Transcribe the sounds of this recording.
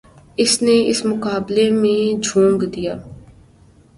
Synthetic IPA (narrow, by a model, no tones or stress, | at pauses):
ɪsneɪsmʊkaːblemẽd͡ʒʱõːŋɡd̪ijaː